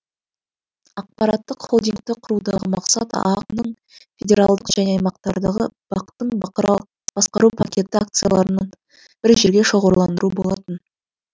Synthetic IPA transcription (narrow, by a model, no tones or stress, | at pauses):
ɑq̚pɑɾɑt̪ːəqχod̪ijŋɡ̚t̪ɪqʰʊɾud̪ɑʁəmɑqsɑt̪ɑ̰qnəɴ | fʲe̞dʲe̞ɾalˠd̪əqʒæne̞ɑjmɑqt̪ɑɾd̪ɑʁə̰bɑqt̪ːəɴ | b̥ɑsqɑɾupʰakʲe̞t̪ɪak̚t̪sɨjalˠɑɾənɑɴ | b̥ɪɾʒeɾɡʲe̞ʃo̞ʁəɾlˠɑnd̪əɾuəbo̞lˠɑt̪ən